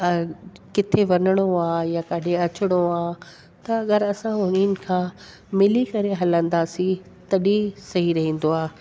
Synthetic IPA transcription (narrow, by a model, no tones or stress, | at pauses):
kɪt̪ʰeʋɐnəɽ̃oaːjakaɖeɐt͡ɕɪɽ̃oaː | t̪ɐːɠəɾɐsãɦʊninɪ̆kʰãː | mɪlikɐɾeɦɐlə̃nd̪asi | t̪ɐɗisɐɦiɾɐɦĩːn̆d̪oaː